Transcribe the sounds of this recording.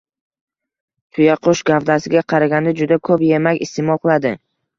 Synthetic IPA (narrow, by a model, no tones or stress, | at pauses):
t̪ʰʊjaqʰoʃɡafd̪asɪɡʲaqʰɑɾaɡʲand̪ad͡ʒʊd̪akʰɵpjemakʲɪst̪ɪmɒlˠqɨlˠad̪ɪ